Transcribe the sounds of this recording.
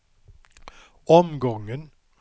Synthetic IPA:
ɔmɡɔŋən

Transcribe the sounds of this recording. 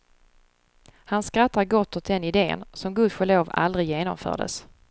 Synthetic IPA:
hanskɾat̪ʰːaɾɡɔt̪ːɔt̪̚d̪ɛnɪd̪ḛːnsɔmɡɵd̪ɧəɭoːva̰ld̪ɾɪjeːnɔ̰mfœ̰ːɖə̰s

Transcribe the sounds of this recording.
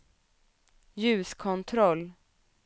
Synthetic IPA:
jʉ̟ːskʰɔnt̪ʰɾɔlː

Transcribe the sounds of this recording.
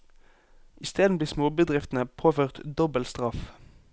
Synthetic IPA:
ʔɪst̪eːd̪n̩bliːsmoːbəd̪ʁɪft̪n̩əpʰoːføːʁt̪d̪ɔbəlt̪st̪ʁɑf

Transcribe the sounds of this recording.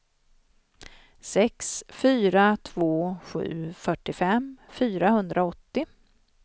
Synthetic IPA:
sɛksfyːɾat̪ʰvoːɧʉ̟̰ːfœʈːɪfɛmfyːɾahɵnd̪ɾaɔt̪ːɪ

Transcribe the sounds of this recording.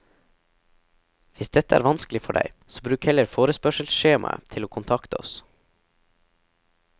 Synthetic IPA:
ʋɪsd̪ɛt̪əæ̰ːɾʋɑnsklɪfɔɖæɪsoːbɾʉːkhɛləɾfoːɾəspœʃəlsʃeːmʔɑ̰t̪ʰɪloːkʰʊnt̪ʰɑkt̪əɔ̰s

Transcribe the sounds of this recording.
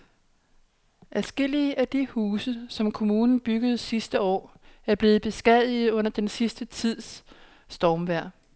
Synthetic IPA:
ʔæsɡ̥e̝l̰iəʔæd̥ihuːsəsɒ̽mkʰo̝muːnn̩b̥yɡ̥əð̞̩ˠsisd̥əɒ̰ː | æɐb̥le̝ːð̞̩ˠb̥e̝sɡ̥ɛð̰ˠið̩ˠɔ̽n̰ɐd̥ensisd̥ət͡sʰið̰ˠsː | d̥ɒːmʋæɐ̰

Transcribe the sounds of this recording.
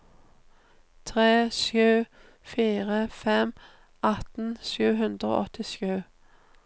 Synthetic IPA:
t̪ʰʁeːʃjʉː | fiːʁəfɛm | ʔɑt̪n̩ʃʉːɦʉnd̪ʁəo̰ːʔɔt̪ɪʃjʉː

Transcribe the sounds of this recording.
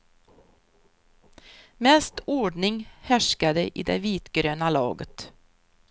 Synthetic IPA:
mɛːst̪ɔːɖɳɪŋhæʂkad̪əʔɪd̪ɛ̰viːt̪ɡ̥ɾøːnalɑ̰ːɡət̪

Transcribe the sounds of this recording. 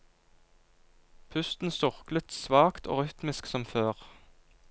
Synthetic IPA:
pʰʉst̪n̩sʊʁklət̪sʋɑːkt̪ʰo̰ːʁʏt̪mɪsksɔmføːʁ

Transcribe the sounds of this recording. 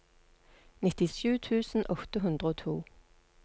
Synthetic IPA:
nɪt̪ɪʃʉːt̪ʰʉːsn̩ʔɔt̪əɦʉnd̪ʁəoːt̪ʰṵː

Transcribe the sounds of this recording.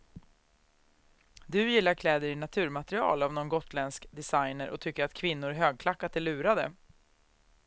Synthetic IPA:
d̪ɵjɪlːaɾkʰlɛːd̪əɾɪnat̪ʰʉ̟ːɾmat̪ɾɪɑ̰ːlavnɔnɡɔt̪lɛnskd̪ɛsajnəɾʔɔ̰t̪ʰʏkːəɾat̪kʰvɪnːʊɾɦøːɡ̚kʰlakːat̪ʰɛɭʉ̟ːɾad̪ə̰

